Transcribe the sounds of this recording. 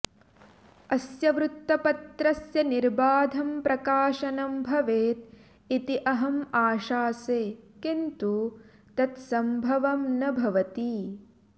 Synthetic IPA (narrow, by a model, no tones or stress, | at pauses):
ɐsjɐʋɾut̪ːɐpɐt̪ɾɐsjɐniɾbaːd̪ʱɐmpɾɐkaːʃɐnɐmbʱɐʋeːt̪̚ | it̪iʔɐɦɐmaːʃaːseːkint̪u | t̪ɐt̪sɐmbʱɐʋɐmnɐbʱɐʋɐt̪i